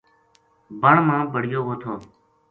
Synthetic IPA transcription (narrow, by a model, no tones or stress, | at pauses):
bəɳmãːbəɽ̤ɪjoːɦoːt̪ʰoː